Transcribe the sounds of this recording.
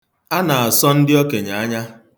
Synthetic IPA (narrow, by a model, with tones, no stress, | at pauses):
a˦na˨a˨sɔ˦n̩˦dɪ˦ɔ˦ke˨ɲa˨a˦ɲa˦